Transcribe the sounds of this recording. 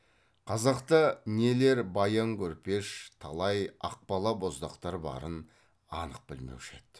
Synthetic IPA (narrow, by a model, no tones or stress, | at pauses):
qʰɑzɑqt̪ənele̞ɾbɑjɑŋkʲʰɵɾpe̞ʃt̪ʰɑlˠɑjɑq̚pɑlˠɑbo̞zd̪ɑqt̪ɑɾbɑ̰ɾən | ɑnəq̚bɪlmḛwʃe̞̰t̪